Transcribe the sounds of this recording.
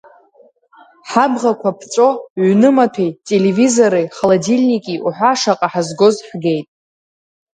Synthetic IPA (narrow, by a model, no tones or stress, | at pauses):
ħabʁakʷʰapʰt͡sʼo̞ʕʷnɨmatʰejtʼe̞levizo̞ɾejχalodilʲnikʼiʔuħʷaʂaqʼaħazɡo̞zħɡe̞jtʼ